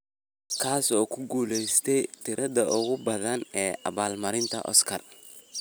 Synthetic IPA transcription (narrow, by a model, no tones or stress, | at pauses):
kʰaːsɔːkʰʊɡuːlɛjst̪ʰɛjt̪ʰɪɾʔɐðɐʔʊɣʊbɐðɐnɛːʔɐ̰βaːlmɐɾɪnt̪ʰɐ̰ʔɔ̰skʰɐr